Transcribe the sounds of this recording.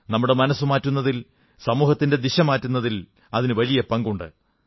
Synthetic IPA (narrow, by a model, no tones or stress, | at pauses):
nɐmːuɽemɐnɐsːumaːtːunːɐðil | sɐmuːhɐt̪ːinde̞d̪iɕɐmaːtːunːɐðil | ɐðinɨʋɐlijɐpɐŋɡuɳɖɨ̰